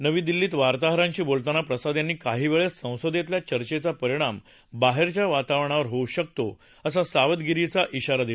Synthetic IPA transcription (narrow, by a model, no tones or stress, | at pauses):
nəʋiːd̪ilːiːt̪ʋaɾt̪aɦɾãɲt͡ɕiːbolt̪anapɾəsad̪janːiːkaɦiːʋeɭessə̃w̃səd̪et̪ljat͡ɕəɾt͡ɕet͡sapəɾiɽ̃am | baɦeɾt͡ɕjaʋat̪aʋɳ̃aʋəɾɦouɕək̚t̪o | əs̬asaʋəd̪ɡiɾit͡saʔiɕaɾad̪i